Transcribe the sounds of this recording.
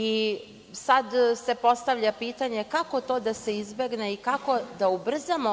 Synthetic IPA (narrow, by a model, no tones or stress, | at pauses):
i | sad̪se̞po̞st̪aʋʎapiːt̪aɲe̞kako̞t̪o̞ːd̪ase̞izbe̞ɡne̞ikako̞d̪aubr̩zamo